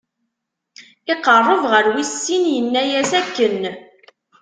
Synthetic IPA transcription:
ɪqərˤːəvʁəɾwisːinjənːæjæsækːən

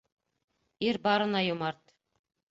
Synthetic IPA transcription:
iɾbɑɾɤ̆nɑjŏmɑɾt̪

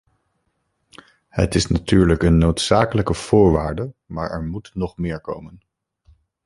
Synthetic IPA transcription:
hə̰tɪsnatyːɹləkənːowtsaːkələkəv̥ʊːɹʋaːɹdəmaːɹɛɹmutnɔχmɪːɹko̰wmən

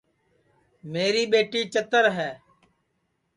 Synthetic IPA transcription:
meːɾiːɓeːʈiːt͡ʃət̪əɾɦɛː

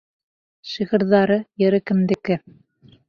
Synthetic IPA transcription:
ʃiʁɤ̆ɾðɑɾɤjɘ̆ɾɘkɘ̆md̪ɘ̆kɘ

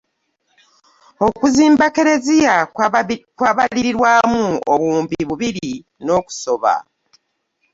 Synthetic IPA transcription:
o̞kuziːmbake̞ɾe̞zija | kwaβaliɾiɾwaːmuoβuːmbiβuβiɾi | no̞ːku̥so̞βa̰

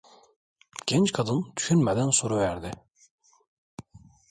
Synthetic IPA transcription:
ɟ̥ɛnt͡ʃkʰad̪ɯnd̪y̥ʃynmɛd̪ænsoɾuvæɾd̪ɪ

